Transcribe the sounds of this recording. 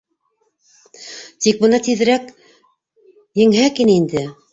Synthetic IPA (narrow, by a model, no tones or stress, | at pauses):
t̪ik̚bɤ̆nɑt̪ið̆ɾæk | jɘ̆ŋɦækinind̪ɘ